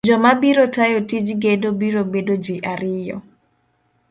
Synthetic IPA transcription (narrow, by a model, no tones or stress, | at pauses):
d͡ʒɔmabiɾotajotid͡ʒɡedobiɾobedod͡ʒɪʔaɾɪjɔ̰